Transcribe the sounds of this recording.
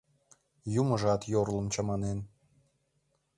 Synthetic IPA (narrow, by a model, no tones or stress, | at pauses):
juməʒɑt̪jorlə̆mt͡ɕɑmɑnen